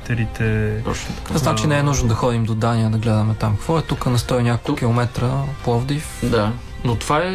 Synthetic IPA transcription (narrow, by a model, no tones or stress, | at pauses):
t̪ɛɾit̪ɛt̪ɔt͡ʃnt̪kznat͡ʃinɛɛnuʒnod̪ɐxɔd̪imd̪od̪aniəd̪ɐɡlɛd̪əmɛt̪amkɐ̥kvɔɛt̪ukənɐst̪ɔinʲjakokˠk̟ilˠomɛt̪ɾəplˠɔvd̪ifd̪a | not̪vaɛ